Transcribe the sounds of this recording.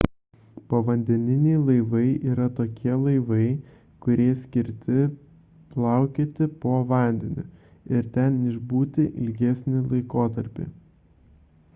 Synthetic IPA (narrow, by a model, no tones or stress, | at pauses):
poʋɐnʲd̪ʲɛnʲɪnʲɛɪlˠɐɪʋɐɪʔiːɾɐt̪oːkʲiɛlˠɐɪʋɐɪ | kʊɾʲeɛsʲkʲɪɾʲt̪ʲɪ | plˠɑˑʊkʲeːt̪ʲɪpoːʋɑˑnʲd̪ʲɛnʲʊ̰ | ɪɾt̪ʲɛnɪʒbuːt̪ʲɪʔɪ̰lʲɡʲɛsʲnʲɪlˠɐɪkoːt̪ɐɾʲpʲḭ